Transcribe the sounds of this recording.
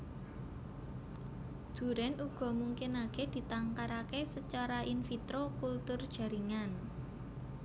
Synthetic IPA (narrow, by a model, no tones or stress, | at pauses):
d̪̥ṳɾɛnuɡ̥ɔ̤muŋkɪnaked̪̥i̤t̪aŋkaɾakesət͡ʃaɾaʔinfit̪ɾokult̪ʊrd̥ʒ̥a̤ɾiŋan